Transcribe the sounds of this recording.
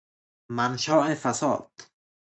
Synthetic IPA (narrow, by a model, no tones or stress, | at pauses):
manʃɔːʔefasɔ̰ːd̪̥